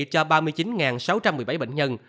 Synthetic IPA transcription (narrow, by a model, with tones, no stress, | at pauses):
t͡ɕɔ˧ɓaː˧mɨ˧əjt͡ɕi˨˦nŋaː˨˩nsa˨˦wt͡ɕa˧mːɨ˨˩əjɓa˧˦jɓḛ˧˨ŋɲə˧n